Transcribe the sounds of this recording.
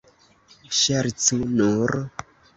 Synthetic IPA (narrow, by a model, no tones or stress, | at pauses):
ʃaɾt͡sunuɾ